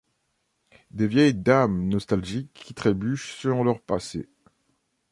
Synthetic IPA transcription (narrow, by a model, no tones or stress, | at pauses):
d̪evjɛjd̪amnɔst̪alʒikʰːit̪χebyʃsəlɔ̃lœʁpasḛ